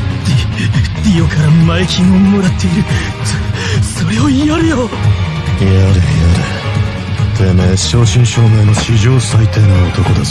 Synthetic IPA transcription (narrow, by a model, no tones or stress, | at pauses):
d̪id̪̥ʲijokaɾamaekʲimommoɾat̪ʰːe̞iɾɯ̟ | so̞ɾeoijoɾɯ̟jo | iaɾɯjaɾɯ̰ | t̪emeɕo̞ːɕĩɰ̃ɕoːmẽnoɕiʑo̞ːsait̪eːnaot̪o̞ko̞d̪e